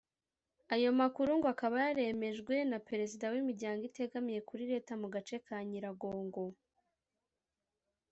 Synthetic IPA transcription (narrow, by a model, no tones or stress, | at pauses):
ajo̞makuɾuŋɡoakaβajaɾe̞me̞ʒɡwe̞nape̞ɾe̞zidawimiɾɟaːŋɡite̞ɡamije̞kuɾiɾe̞ːtamuɡat͡ʃe̞kʰaɲiɾaɡo̞ːŋɡo̞